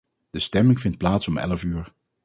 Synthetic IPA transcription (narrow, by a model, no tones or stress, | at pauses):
d̥əstɛmɪŋvɪnt̚plaːtsɔmɛ̰ləfyːɹ